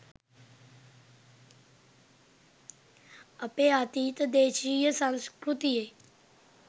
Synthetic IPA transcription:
əpeaːt̪iːt̪d̪eːʃiːjəsãŋskɾut̪ije

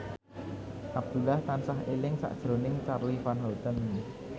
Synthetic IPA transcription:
ʔab̚d̪̥ulaht̪ansaɦelɪŋsa̰ʔd̥ʒ̥ɾonɪŋt͡ʃarlifanɦɔlt̪ən

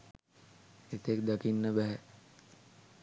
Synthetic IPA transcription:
et̪ek̚d̪akinːəbɛɦɛ

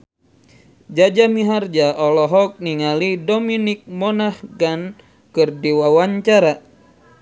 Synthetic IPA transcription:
d͡ʒad͡ʒamiɦard͡ʒaʔɔlɔɦɔk̚niŋalidominik̚mɔnahɡan | kɨrdiwawaɲt͡ʃaɾa

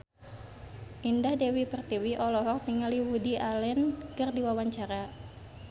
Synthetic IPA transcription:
ʔindahdɛwipərt̪iwiʔɔlɔɦɔr̚t̪iŋaliwudiʔalɛnkərdiwawaɲt͡ʃaɾa

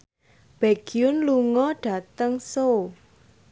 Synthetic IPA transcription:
b̥eɡ̥iʊnluŋɔɖ̥ä̤t̪əŋso

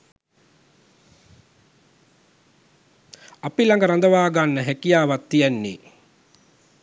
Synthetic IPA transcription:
apilaŋɡəɾand̪əʋaːɡanːəɦækijaːʋat̪ːijænːḭː

